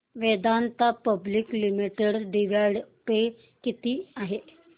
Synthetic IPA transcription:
ʋed̪ant̪apəbliklimiʈeɽɖiʋaɽpe | kit̪iːaɦe

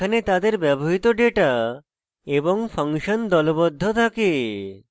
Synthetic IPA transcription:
anet̪ad̪eɾbɛboɦit̪oɖeʈa | eboŋpʰəŋʃənd̪ɔlobɔd̪ʱːot̪ʰake

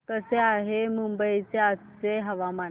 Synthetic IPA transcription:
t̪əseaɦemumbəit͡seat͡seɦəʋama

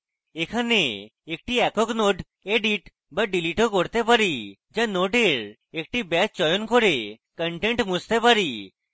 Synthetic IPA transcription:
ekʰaneek̚ʈiɛkoknoɖ | eɖiʈ | baɖiliʈokoɾt̪epaɾid͡ʒanoɖeɾ | ek̚ʈibɛt͡ʃɔjonkoɾe | kəɳʈeɳʈmust̪epaɾi

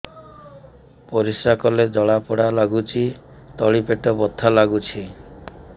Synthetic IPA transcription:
pɔɾisakɔled͡ʒɔɭapɔɽalaɡut͡ʃʰi | t̪ɔɭipeʈɔbɔt̪ʰːalaɡut͡ʃʰi

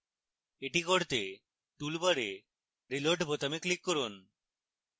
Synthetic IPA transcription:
eʈikoɾt̪e | ʈulbaɾe | ɾiloɾʈbʱot̪ameklikːoɾun

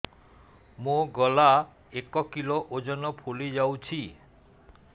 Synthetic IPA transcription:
moɡɔla | ekɔkiloʔod͡ʒɔnɔpʰulid͡ʒawt͡ʃʰi

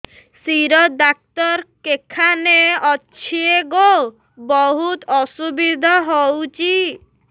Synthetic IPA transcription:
siɾɔd̪ak̚t̪ɔɾkekʰaneɔt͡ʃʰieɡo | bɔɦut̪ɔsubid̪ʱɔɦowt͡ʃi

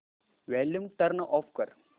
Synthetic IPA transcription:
ʋɛːljumʈɐɾnʔɔːfkɐɾ

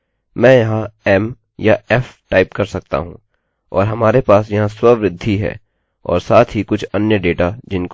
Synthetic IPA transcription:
mɛ̃ːjɐɦãɛm | jaɛfʈaːɪpkɐɾsɐk̚t̪a̰ɦṵ̃ː | ɔ̰ːɾɦɐmaːɾepaːsjɐɦãswɐʋɾɪd̪ʱːiɦɛ̰ː | ɔ̰ːɾsaːt̪ʰɦikʊt͡ʃʰɐnjəɖeːʈad͡ʒɪnk

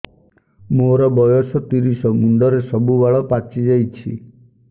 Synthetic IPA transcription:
moɾɔbɔjɔsɔt̪iɾisɔmunɖ̪ɔɾesɔbubaɭɔpat͡ʃid͡ʒajt͡ʃʰi

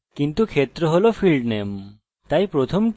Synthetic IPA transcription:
kint̪ukʰet̪ɾɔɦolopʰilɖnem | t̪ajpɾot̪ʰɔm

